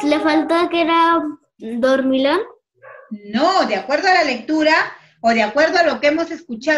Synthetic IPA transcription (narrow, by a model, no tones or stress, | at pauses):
lefalt̪aakeɾa | d̪oɾmilon | nod̪eakwe̞ɾðoalale̞k̚t̪uɾa | oðeakwe̞ɾðoalo̞keemo̞se̞skut͡ʃa